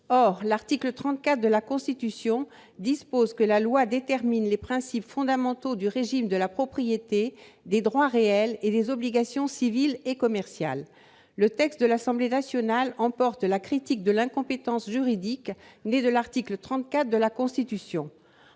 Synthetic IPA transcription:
ɔʁlaʁt̪iklət̪χɑ̃t̪̚kat̪χd̪əlakɔ̃st̪it̪ysjɔ̃ | d̪ispozkəlalwad̪et̪ɛʁminlepχɛ̃sipfɔ̃d̪amɑ̃t̪od̪yʁeʒimd̪əlapχɔpχijet̪ed̪ed̪ʁwaʁeɛled̪ezɔbliɡasjɔ̃sivilekɔmɛʁsja̰lː | ət̪ɛkst̪̚d̪əlasɑ̃blenasjɔnalɑ̃pɔʁt̪lakχit̪ik̚d̪əlɛ̃kɔ̃pet̪ɑ̃sʒyʁid̪ikned̪əlaʁt̪iklət̪χɑ̃t̪̚kʲat̪χd̪əlakɔ̃st̪it̪ysjɔ̃

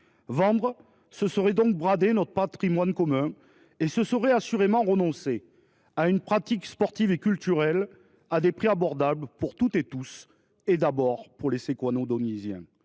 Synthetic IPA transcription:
vɑ̃d̪ʁə | səsəʁɛd̪ɔ̃k̚bʁad̪enɔt̪χəpat̪χimwankɔmɛ̃ | esəsəʁɛasyʁemɑ̃ʁənɔ̃se | aynpχat̪ikspɔʁt̪ivekʲylt̪yʁɛl | ad̪epχiabɔʁd̪abləpuʁt̪ut̪et̪us | ed̪abɔʁpuʁlesekwanod̪ɔnizjɛ̰̃

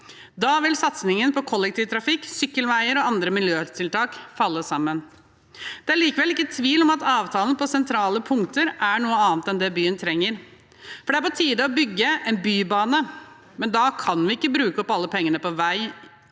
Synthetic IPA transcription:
d̪ɑːʋɪlsɑt̪snɪŋənpɔkʰɔlːɛk̚t̪ʰiːʋt̪ʰɾɑfɪkːsʏkːəlʋæɪəɾɔɑnd̪ɾəmɪljøːt̪ʰɪlt̪ʰɑːkfɑlːəsɑmːən | d̪̥ɛæɭiːkəʋɛlɪkːət̪ʰʋiːlɔmɑt̪ɑːʋt̪ʰɑːlənəpɔsɛnt̪ʰɾɑːləpʰʊŋt̪əɾʔæɳuːəɑːnt̪ɛnd̪ɛbyːənt̪ʰɾɛŋːəɾ | fɔɖɛæɾpɔt̪ʰiːd̪əɔbʏɡːəʔɛnbyːbɑːnə | mɛnd̪ɑkʰɑnʋɪɪkːəbɾʉːkəɔpɑlːəpʰɛŋːənəpɔʋæɪ

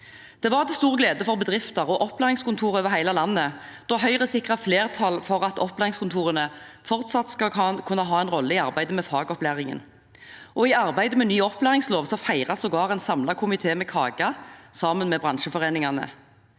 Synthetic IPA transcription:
d̪̥ɛʋɑʁd̪ɛst̪uːʁəɡleːd̪əfɔʁbəd̪ʁɪft̪ɑʁɔʔɔplæːʁɪŋskʊnt̪ʰuːʁøʋɛʁɦæɪlɑlɑnːəd̪̥ɔɦœʏʁəsɪkʁɑfleːʁt̪ʰɑlfɔʁɑt̪ɔplæːʁɪŋskʊnt̪ʰuːʁənə | fɔʁt̪sɑt̪skɑkʰʉnːɑɦɑːɛnʁɔlːəɪɑʁbæɪd̪əmɛfɑːɡɔplæːʁɪŋə̰n | ɔɪɑʁbæɪd̪əmɛnyːɔplæːʁɪŋsloːʋsɔfæɪʁɑsɔɡɑːʁɛɪnsɑmlɑkʰʊmɪt̪ʰeːmɛkʰɑːɡɑsɑːmənmɛbʁɑnʃəfɔʁeːnɪŋɑnə̰

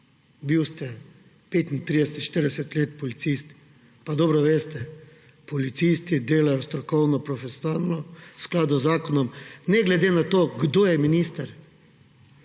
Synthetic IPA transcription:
biwst̪ɛ | peːt̪int̪ɾid̪ɛsɛt̪ʃt̪iɾd̪ɛsɛt̪leːt̪pɔlit̪sist̪ | pad̪ɔːbɾɔʋeːst̪ɛ | pɔlit̪sist̪id̪eːlajɔst̪ɾɔkɔwnɔpɾɔfɛsjnalnɔsklaːd̪uzːaːkɔnɔmnɛɡlɛd̪eːnat̪oːɡd̪oːjɛminist̪ɐɾ

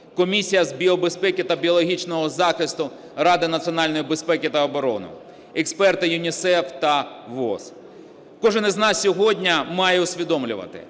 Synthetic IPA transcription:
kɔmʲisʲijɐzbʲiɔbespɛkʲɪt̪ɐbʲiɔlˠɔɦʲit͡ʃnɔɦɔzɑxɪst̪ʊ | rɑd̪ɪnɐt̪sʲiɔnɑlʲnɔjibespɛkʲɪt̪ɐɔbɔɾɔ̰nʊ̰ | ɛkspɛrt̪ɪjʊnʲisɛwt̪ɐʋɔ̰s | kɔʒɪnɪznɑsʲsʲɔɦɔdʲnʲɐmɑjɛʊsʲʋʲid̪ɔmlʲʊ̰ʋɐ̰t̪ɪ̰

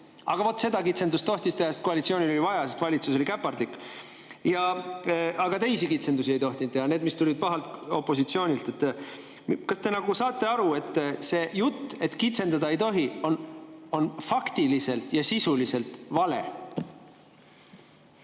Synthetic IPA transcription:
ɑɡ̥ɑvo̞t̪ːˑse̞d̪ɑkit̪se̞nd̪ust̪o̞ht̪ist̪e̞hɑest̪ko̞ɑlʲit̪sio̞ːnʲilo̞livɑjɑse̞st̪vɑlʲit̪suso̞likæpːɑrd̪lik | jɑ | ɑɡɑt̪e̞jsikit̪se̞nusie̞jt̪o̞ht̪int̪ːehɑne̞ːd̪mist̪ulid̪̥̚pɑɦɑlt̪o̞pːˑo̞sit̪sio̞ːnʲilt̪ˑe̞t̪ː | kɑst̪e̞nɑɡ̥usɑːt̪ːˑe̞ɑɾue̞t̪ːse̞jut̪ˑːe̞t̪ːkit̪se̞nd̪ɑd̪ɑe̞jt̪o̞ɦiono̞nfɑkt̪ilise̞lt̪jɑsisulise̞lt̪ˑvɑle̞

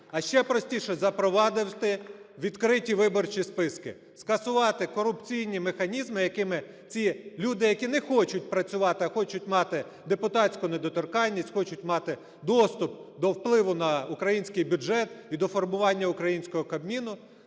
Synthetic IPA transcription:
ɐʃt͡ʃɛpɾɔsʲtʲiʃɛzɐpɾɔʋɑd̪ɪwt̪ɪʋʲid̪kɾɪtʲiʋɪbɔrt͡ʃispɪskɪ | skɐsʊʋɑt̪ɪkɔɾʊpt͡sʲijnʲimexɐnʲizmɪjɐkɪmɪ | t͡sʲilʲud̪ɪjɐkʲinɛxɔt͡ʃʊt̚ʲpɾɐt͡sʲʊʋɑt̪ɪɐxɔt͡ʃʊtʲmɑt̪ɪ | d̪epʊt̪ɑtʲt͡sʲkʊned̪ɔt̪ɔrkɑlʲːisʲtʲxɔt͡ʃʊtʲmɑt̪ɪ | d̪ɔst̪ʊp̚d̪ɔwplˠɪʋʊnɐukɾɐjinʲsʲkɪjbʲʊʒɛt̪id̪ɔfɔrmʊʋɑnʲːɐʊkɾɐjinʲsʲkɔɦɔkɐbmʲinʊ

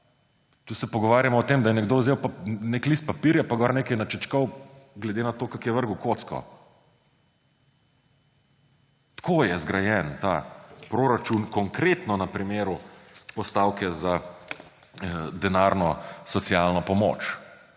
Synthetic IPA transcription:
t̪uːsɛpɔɡɔʋaːɾjamɔɔt̪eːmd̪ajɛnɛɡd̪oːzewpaneklist̪̚papiɾjapaɡɔɾneːkɛjnat͡ʃɛt͡ʃkɔwɡlɛd̪enat̪oːkakjɛʋəɾɡukot̪skɔ̰ | t̪kʰoːjɛzɡɾajɛnt̪a̰pɾoɾat͡ʃunkɔŋkɾet̪nɔnɐpɾimeːɾupɔst̪aːwkɛza | d̪ɛnaɾnɔsɔt̪sjalnɔpɔmo̰ːt͡ʃ

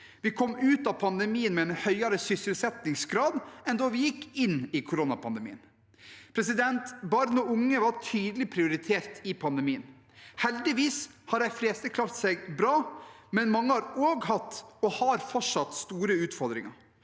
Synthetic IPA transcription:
ʋɪkʰɔmːʉːt̪ɑpʰɑnd̪ɛmiːənmɛɛnhœʏɑɾəsʏsɪlsɛt̪nɪŋsɡɾɑːd̪ɛnd̪oːʋɪjɪkːɪnːɪkʰʊɾonɑpʰɑnd̪əmḭːən | pʰɾɛs̬ɪd̪ɛnt̪bɑɾnɔʊŋːəʋɑɾtʰyːd̪əlɪpʰɾɪʊɾɪt̪ʰeːɾt̪ɪpʰɑnd̪ɛmiːən | hɛld̪ɪʋiːs | hɑɾæɪfɾeːst̪əkʰlɑːɾt̪sɛɡbɾɑːmɛnmɑŋːəhɑɾoːɡhɑt̪ːɔhɑɾfɔʂɑt̪st̪uːɾəʉːt̪fɔɾd̪ɾɪ̰ŋɑ̰ɾ

